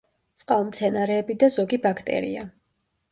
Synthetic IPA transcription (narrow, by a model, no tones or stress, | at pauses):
t̪sʼqʼalˠmt̪sʰɛnaɾɛːbid̪azɔɡibakʰt̪ʼɛ̰ɾḭa